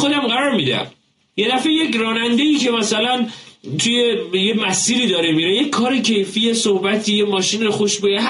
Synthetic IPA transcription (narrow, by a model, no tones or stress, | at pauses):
xod̪æmɢæɾɒːɾmid̪æ̰m | je̞d̪æfejecrɒːnænd̪eiːcʰe̞mæsælænt̪ʰujejemæsiːɾiːd̪ɒːɾemiɾejekʰːɒːɾecʰe̞jfijesohbæt̪ʰiːjemɒːʃinɾoxoʃbeeɦ